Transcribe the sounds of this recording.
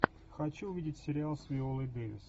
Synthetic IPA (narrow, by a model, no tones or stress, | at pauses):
xɐt͡ɕuːvʲidʲɪtʲsʲɪɾʲɪalˠsʲvʲɪolˠɨjd̪evʲɪ̰s